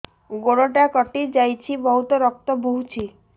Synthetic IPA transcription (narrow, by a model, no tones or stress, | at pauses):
ɡoɽoʈakɔʈid͡ʒajt͡ʃʰibɔɦut̪ɔɾɔk̚t̪ɔbʱuɦut͡ʃʰi